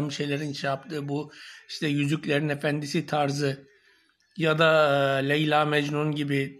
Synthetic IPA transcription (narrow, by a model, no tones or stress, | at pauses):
mʃejlʲeɾint͡ʃʰapt̪ʰɯːbuiʃt̪ʰɛjyzycʲlʲeɾinefænd̪isit̪ʰaɾzɯ | jad̪aːlʲejlʲˠaːmɛd͡ʒnunɟibi